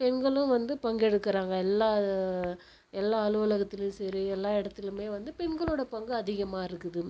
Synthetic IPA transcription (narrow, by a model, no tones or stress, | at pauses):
pɛɳɡɐɭʊ̃ʋɐnd̪ɯpɐŋɡɛɽɯkːɪɾaːŋɡɐɛlːaː | ɛlːaːɐlɯʋɐlɐɣɐt̪ːɪlɯ̃sɐɾiɛlːaːɪɽɐt̪ːɪlɯmeːʋɐnd̪ɯpɛɳɡɐɭoːɽɐpɐŋɡɯɐðɪɣɐmaːɪɾɯkːɯðɯ